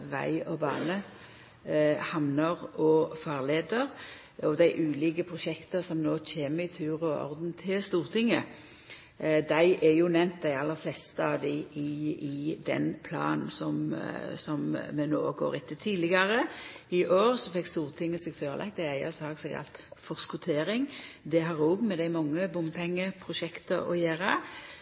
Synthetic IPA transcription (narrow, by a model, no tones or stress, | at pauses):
ʋæ̰ɪɔbɑ̰ːnə | hɑmnəʁʔɔfɑːʁleːd̪əʁ | ɔd̪æɪʔʉːliːɡəpʰɾʊʃɛkt̪əsɔmnoːc͡çeːməɪt̪ʰʉːʁɔɔ̰ʁd̪nt̪ʰɪlst̪uːʁt̪ʰɪŋːə | d̪æɪʔɛjʊnɛmnt̪̚d̪æɪɑlːəɾflɛst̪ɑd̪ɪɪɪd̪ɛ̰npʰlɑ̰ːnn̩sɔmsɔmmɛno̰ːɡo̰ːɾɪt̪ːət̪ʰiːlɪɡɑɾəɪʔoːɾsɔfɛkːst̪uːʁt̪ʰɪŋːəsɛɡføːɾəlʔɛ̰k̪̚d̪æɪæɪɑsɑːɡsɛɡkʰɑ̰lt̪fɔʁskʊt̪ʰeːɾɪŋd̪ɛɦɑɾuːɡmɛd̪æɪmɑŋːəbʊmpʰɛŋːəpʰɾʊʃɛkt̪əɔ̰jæːɾə